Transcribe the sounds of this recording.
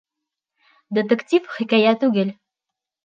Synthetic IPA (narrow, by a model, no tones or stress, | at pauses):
d̪ʲĕt̪ɘ̆kt̪ʲifχĭkæjæt̪ʉɡɘl